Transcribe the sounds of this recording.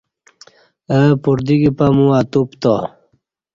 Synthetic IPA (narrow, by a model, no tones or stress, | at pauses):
əpuɾd̪iɡipamũat̪upt̪o